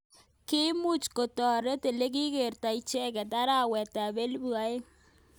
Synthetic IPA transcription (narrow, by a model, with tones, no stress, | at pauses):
kɪ˦mu˦t͡ʃko˨tɔ˨ɾe˦te˨le˦k̬i˦ke˨rta˨i˨t͡ʃɛ˦kɛ˨ta˦ɾa˦wɛ˨ta˨be˦lbu˨a˦e˦